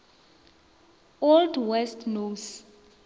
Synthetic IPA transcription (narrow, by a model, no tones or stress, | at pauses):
oldwɛstʰnos